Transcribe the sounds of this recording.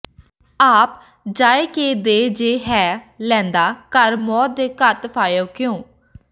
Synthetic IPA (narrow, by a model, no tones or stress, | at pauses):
aːp | d͡ʒaːeːkeːd̪eːd͡ʒeːɦɛːlɛ̃ːnd̪aːkəɾmɔːt̪̚d̪eːkət̪pʰaːjoːkɪjõː